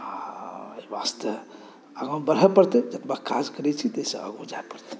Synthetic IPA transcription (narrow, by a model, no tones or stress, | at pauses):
aebast̪ə | əɡãbəɾɦɛpəɾt̪ɛd͡ʒət̪baka̰d͡ʒkəɾɛt͡ʃʰit̪esə̰ə̰ɡõd͡ʒaepəɾt̪e̥